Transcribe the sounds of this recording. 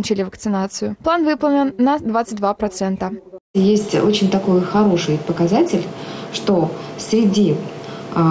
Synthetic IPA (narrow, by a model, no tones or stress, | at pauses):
nt͡ɕɪlʲɪvəkt̪sɨnat̪sɨjʊplˠanvɨpəlˠnʲɪnːɐd̪vat̪sɨt̚ʲd̪vapɾɐt̪sɛnt̪əjesʲtʲot͡ɕɪnʲt̪ɐko̞jxɐɾo̞ʂɨjpəkɐzatʲɪlʲʂt̪o̞fsɾʲɪdʲi